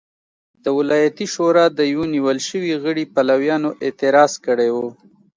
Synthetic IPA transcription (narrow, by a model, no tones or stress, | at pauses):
d̪əwɪlɑjat̪iʃoɾɑd̪əjwoniwəlʃəwiɣəɽipalawjɑnoʔɪt̪ɪɾɑzkəɽewo